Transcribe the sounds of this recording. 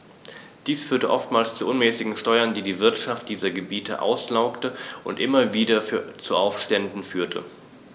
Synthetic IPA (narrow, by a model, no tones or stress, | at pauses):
d̥iːsfyːɐtəʔɔftmaːlst͡suʔʊnmɛːsɪɡŋ̩ʃtɔʏɐndiːdiːvɪɐtʃaft̚d̥iːzɐɡəbiːtʰə̰ʔa̰ʊslaʊktəʔʊntʔɪmɐviːdɐft͡suʔaʊfʃtɛndn̩fyːɐtʰə̰